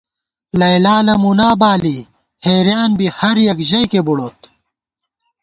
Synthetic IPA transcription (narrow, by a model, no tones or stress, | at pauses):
lɐjlaːlɐmunaːbaːli | heːɾjaːnbihɐɾjɐkʑɐjkebuɽoːt̪̚